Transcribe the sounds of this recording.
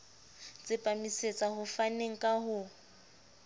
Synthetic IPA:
t͡sʼɪpʼamiset͡sʼaɦʊfaneŋ̩kʼaɦʊ

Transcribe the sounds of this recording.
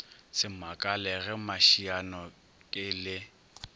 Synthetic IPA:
sɪmakʼalɛɣɛmaʃianɔ | kʼɪlɪ

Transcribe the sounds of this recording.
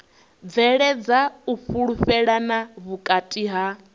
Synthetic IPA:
vɛɺɛd͡zauɸuɺuɸɛɺanaβukʼatʼiɦa

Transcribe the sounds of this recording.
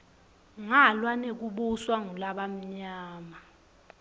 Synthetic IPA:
ŋalwanek̬uɓuswaŋulaɓam̩ɲaːma

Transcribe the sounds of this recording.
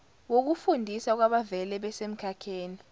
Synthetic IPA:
wok̬ufundʱisak̬waɓavɛlɛɓɛsem̩kʰakʰeːni

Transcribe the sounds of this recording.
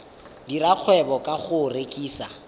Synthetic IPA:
diraq͡χʰwɛbɔkʼaχʊrekʼiːsa

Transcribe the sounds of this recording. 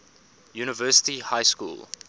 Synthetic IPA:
juːnəvɜːsə̥tihaɪskṵːlˠ

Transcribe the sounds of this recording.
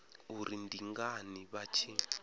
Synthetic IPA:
uɾindiŋɡaniβat͡ʃʰi

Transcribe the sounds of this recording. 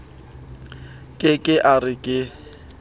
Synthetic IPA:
kʼɪkʼɪʔarɪkʼɪ

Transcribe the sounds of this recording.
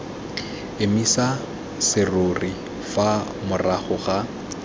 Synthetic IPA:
ɪmisa | sɪrori | fa | mʊraχʊɣa

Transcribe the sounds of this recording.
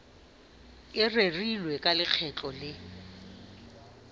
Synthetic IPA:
ɪrerilwɛkʼalɪk͡xʰɛt͡ɬʼɔlɪ

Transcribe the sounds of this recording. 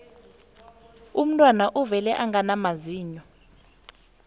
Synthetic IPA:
um̩tʼwanaʔuvɛlɛʔaŋanamaziːɲɔ

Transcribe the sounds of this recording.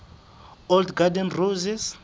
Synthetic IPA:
ɔldɡadɛnruzis

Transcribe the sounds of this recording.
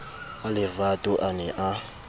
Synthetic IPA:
alɪradoʔanɛʔa

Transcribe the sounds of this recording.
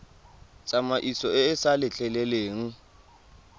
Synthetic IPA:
t͡sʼamaʔisɔɛːsalɪɬɛlɛleːŋ̩

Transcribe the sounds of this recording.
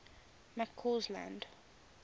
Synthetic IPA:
makʰːɔzlã̰nd

